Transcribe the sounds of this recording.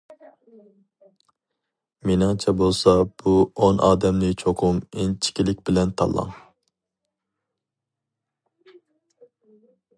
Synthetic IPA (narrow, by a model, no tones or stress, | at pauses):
menɨŋt͡ʃʰɛbolˠsɑb̥uonʔɑ̰ːd̪ɛmnɪt͡ʃʰoqʰʊment͡ʃʰi̥kʲilɪk̚ʲbɪlɛnt̪ʰɑ̰lˠːɑ̰ŋ